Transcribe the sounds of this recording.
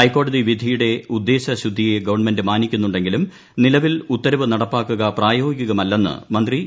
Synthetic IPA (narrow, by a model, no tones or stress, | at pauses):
ɐjkːo̞ːɽɐðiʋid̪ʱijuɽe̞ud̪ːe̞ːɕɐɕud̪ʱːije̞ɡɐʋɐɳme̞ndɨmaːnikʲːunːuɳɖe̞ŋɡilum | nilɐʋilut̪ːɐɾɐʋɨnɐɽɐpːaːkːuɣɐpraːjo̞ːɡiɡkʲːuɣɐmɐlːenːɨ̰mɐnd̪ri